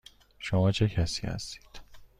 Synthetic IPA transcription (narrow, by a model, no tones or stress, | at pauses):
ʃomɒːt͡ʃʰe̞cʰæsiːhæ̰st̪i̥ːd̪̥